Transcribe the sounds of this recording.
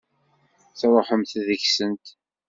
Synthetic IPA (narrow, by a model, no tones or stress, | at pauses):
θæɾˤħəmθðəçsənt̪